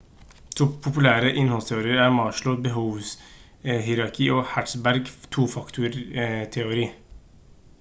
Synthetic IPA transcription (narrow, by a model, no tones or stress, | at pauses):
t̪ʰuːpʰʊpʉlæːɾəʔɪnhɔlst̪ʰɛʊɾiːəɾæːɾmɑːʃɭʊbəɦuːʋs | ɦɪɾɑɾkʰiːoːhæʈsbæɾɡt̪ʰuːfɑkt̪ʰʊɾt̪ʰɛʊɾiː